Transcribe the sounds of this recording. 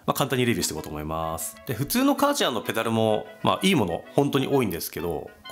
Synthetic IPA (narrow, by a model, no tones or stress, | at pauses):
makãnt̪aɲːiɾe̞bʲiɕi̥t̪ekot̪omoimasɨ̥d̪̥e̞ɸɯ̟t͡sɨːno̞kat͡ɕãnːo̞pe̞d̪aɾɯ̟mo̞ma̰ʔiːmo̞no̞̰hõ̞nt̪o̞ɲ̟ḭʔo̞ːĩnd̪e̞sɨ̥ke̞d̪o̰